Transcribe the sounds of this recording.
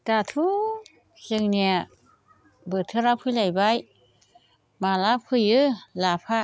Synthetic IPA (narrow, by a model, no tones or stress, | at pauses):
tat̪ʰu | sɯŋniə | bɯt̪ʰːɯɾapʰɯjlajbaj | maːlap̚kʰɯjɯlapʰa